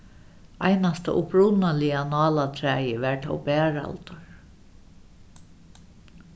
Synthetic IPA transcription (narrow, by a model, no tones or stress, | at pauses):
a̰jnast̪a̰ʔʊpɹuwnalɪanɑːlat̪ʰɾæːjəʋɛɹt̪ʰɔ̰wbɛːɹa̰lt̪ʊɹ